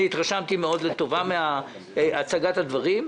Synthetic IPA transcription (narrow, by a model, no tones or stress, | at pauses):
it̪ʁaʃamt̪imeo̞d̪let̪o̞vamea | at͡saɡat̪had̪vaʁim